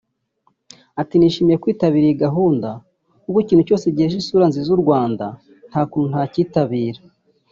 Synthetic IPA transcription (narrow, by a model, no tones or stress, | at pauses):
atiniːʃiːmijekwiːtaβiːɾiiɡaɦuːnda | kukuciːnhuco̞ːseɟiheʒisuːɾanzizuɾɡwaːnda | n̥haːkuːnun̥haciːtaβiːɾa